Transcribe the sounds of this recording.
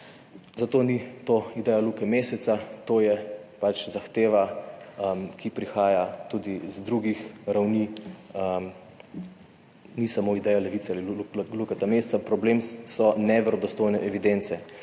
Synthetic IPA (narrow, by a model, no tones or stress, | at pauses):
zat̪oːnit̪oːid̪ɛjalukɛmesɛt̪sat̪oːjɛpat͡ʃzaxt̪eːʋaəmkipɾixaːjat̪ud̪izd̪ɾuɡixɾawniːəm | nisamoid̪ɛjalɛʋit̪sɛalilukɛt̪amest̪sapɾɔbleːmsɔnɛʋɛɾɔd̪ɔst̪oːjnɛʔɛʋid̪ent̪sɛ